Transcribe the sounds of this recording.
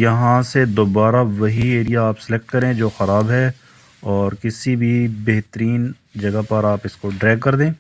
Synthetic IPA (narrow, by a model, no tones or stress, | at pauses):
jɐɦãsed̪oːbaːɾaʋɐɦieːɾijaːpsɪlek̚ʈkɐɾẽːd͡ʒoːxɐɾaːbɦɛ | ɔːɾkɪsibʱibeɦt̪əɾiːn | d͡ʒɐɡapɐɾaːpɪskoɖɾɛːɡ̚kːɐɾd̪ẽː